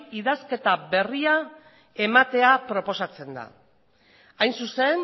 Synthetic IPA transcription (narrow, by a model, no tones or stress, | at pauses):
iðaske̞t̪aβe̞ria | e̞mat̪e̞apɾo̞po̞sat͡se̞nd̪a̰ | ajnsuse̞n